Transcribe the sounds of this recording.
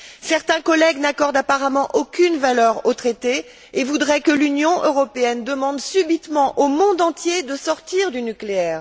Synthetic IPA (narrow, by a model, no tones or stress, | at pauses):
sɛʁt̪ɛ̃kɔlɛɡnakɔʁd̪apaʁamɑ̃ʔokʲynvalœʁot̪χet̪e | evud̪ʁɛkəlynjɔ̃ʔøʁɔpeɛnd̪əmɑ̃d̪sybit̪mɑ̃ʔomɔ̃d̪ɑ̃t̪jed̪əsɔʁt̪iʁd̪ynykleɛːʁ